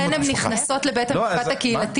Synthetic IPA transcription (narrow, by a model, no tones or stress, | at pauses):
enemniχnaso̞tlebeet̪emat̪akeilat̪i